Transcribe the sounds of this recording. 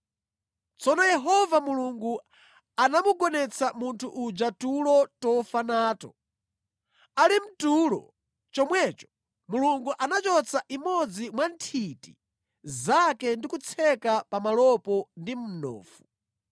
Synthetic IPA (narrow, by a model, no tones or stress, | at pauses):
t͡sɔnɔjɛɦɔvamuluŋɡu | anamuɡɔnɛt͡sʰamuntʰuʔːd͡ʒatulɔtɔfanaːtɔ | alim̩tulɔ̰ | t͡ʃɔmwɛt͡ʃɔ̥ | muluŋɡuʔanat͡ʃɔt͡sʰaʔimɔd͡zimwantʰiti | zakɛndikut͡sʰɛkapamalɔpɔndim̩nɔ̰ːfu̥